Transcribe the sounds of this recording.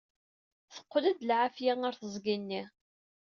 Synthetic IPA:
θə̥qːlæd̪lʕafjæŋəɾθəzˤɡinːi

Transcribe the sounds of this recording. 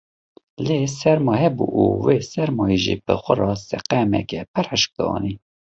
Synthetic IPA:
leːsɛɾmɑːhɛbṵʔuweːsɛɾmɑːjiʒḭːbɨ̰xʷərɑsɛ̰qɛmɛ̰kɛpʰæɾhəʃk̚d̪̥ɑ̰ːni

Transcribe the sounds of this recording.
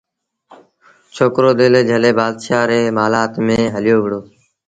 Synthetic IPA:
t͡ʃʰoːkɾoːd̪eːleːd͡ʒʱəleːbaːd̪ʃaːɾeːmaːlaːt̪mẽːɦəlɪjoːʋɪɽoː

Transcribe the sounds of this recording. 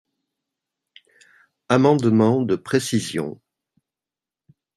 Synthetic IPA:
amɑ̃d̪mɑ̃d̪əpχesizjɔ̰̃

